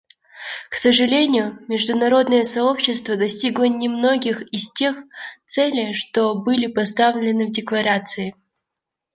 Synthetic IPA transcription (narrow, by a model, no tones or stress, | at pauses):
ksəʐɨlʲenʲɪjʊmʲɪʐd̪ʊnɐɾo̞d̪nɨjəsɐo̞pɕːɪst̪vəd̪ɐsʲtʲiɡlˠənʲɪmno̞ɡʲɪxɪstʲe̞xt̪sɛlʲɪjʂt̪obɨlʲɪpɐst̪avlʲɪnɨvdʲɪklˠɐɾat̪sɨɪ